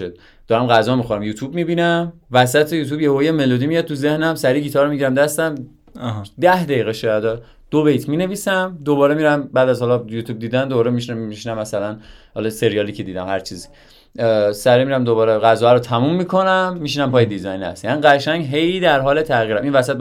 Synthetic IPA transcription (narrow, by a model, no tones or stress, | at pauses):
od̪̚ | d̪̥ɒːɾæmɣæzɒːmixoɾæmjuːt̪ʰuːbmibiːnæmvæsæt̪ʰejuːt̪ʰuːbjehojemelod̪imijɒd̪̚t̪ʰuzehnæmsæɾiːɡiːt̪ʰɒːɾomiɟiɾæmd̪æst̪æm | d̪æhd̪æjiːɣeʃɒjæd̪ɒ | d̪̥obejt̪ʰmiːne̞viːsæmd̪oβɒːɾemiːɾæmbæːd̪æzhɒlɒjuːt̪ʰub̚d̪iːd̪ænd̪obɒːɾemiʃiʃinæmːæsælænhɒlɒse̞ɾijɒːliːcʰe̞d̪iːd̪æmhæɾt͡ʃʰiːzi | sæɾimiɾæmd̪oβɒːɾeɣæzɒːæɾot̪ʰæmumːikʰo̞næmːiʃ̬inæmpʰɒːjed̪izɒjnhæ̰st̪jæniɢæʃæŋɟɦe̞jd̪æɾɦɒːlet̪ʰæɣiːɾæminvæsæt̪̚